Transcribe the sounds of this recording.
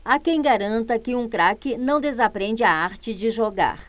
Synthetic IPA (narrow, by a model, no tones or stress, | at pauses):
akẽj̃ɡaɾɐ̃nt̪ɐkɪũkɾakɪnɐ̃w̃d̪ezapɾẽnd͡ʒɪaaɾt͡ʃɪd͡ʒɪʒoɡa̰ɾ